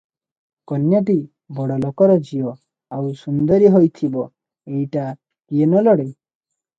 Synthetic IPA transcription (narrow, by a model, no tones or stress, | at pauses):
kɔnjaʈ̬i | bɔɽɔlokɔɾɔd͡ʒiɔ | awsund̪ɔɾiɦojt̪ʰibɔ | ejʈa | kienɔlɔɽe